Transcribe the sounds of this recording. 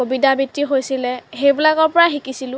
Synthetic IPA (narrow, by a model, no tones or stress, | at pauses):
obidabitːiɦojsilɛɦejbilakɔɹpɔɹaxikisilʊ̃